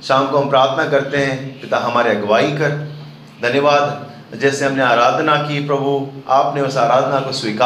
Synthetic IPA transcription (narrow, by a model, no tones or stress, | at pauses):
ʃaːmkoɦɐmpɾaːɾt̪ʰnakɐɾt̪eɦɛ̃pɪt̪aɦɐmaːɾiɐɡɐʋaːikɐɾ | d̪ʱɐnjəʋaːd̪ | d͡ʒɛːseɦɐmneaːɾaːd̪ʱnakipɾɐbʱuaːpneʊsaːɾaːd̪ʱnakoswiːka